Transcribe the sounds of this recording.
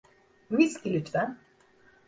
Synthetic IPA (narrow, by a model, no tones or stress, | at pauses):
miskʲilʲyt̪væn